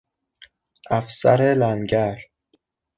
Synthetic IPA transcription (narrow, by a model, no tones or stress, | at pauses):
ʔæfsæ̰ɾelænɟæɾ